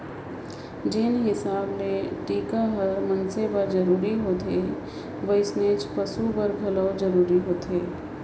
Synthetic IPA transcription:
d͡ʒɪnɦɪsaːbleʈiːkaɦɐɾmɐ̃nsebəɾd͡ʒɐɾuːɾiɦoːt̪e | ʋəɪsneːd͡ʒpɐsubɐɾɡʱɐləwd͡ʒɐɾuːɾiɦoːt̪eː

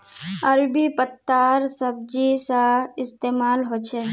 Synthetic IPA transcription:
əɾbipət̪ːaːɾsəb̚d͡ʒisaɪst̪eːmaːlɦot͡ʃʰe

